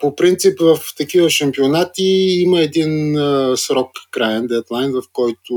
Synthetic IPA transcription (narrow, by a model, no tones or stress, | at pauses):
popɾint̪sipvɐft̪ɐkivəʃɐmpionat̪iiməɛd̪insɾɔkːɾajɛnd̪ɛt̪lˠajnvɐfkɔjt̪ʊ